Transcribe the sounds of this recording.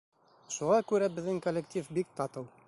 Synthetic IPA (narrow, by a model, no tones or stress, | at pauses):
ʃuʁɑkʉɾæbɘ̆ðːɘŋkolʲːekt̪ʲʰifbik̚t̪ɑt̪ɤw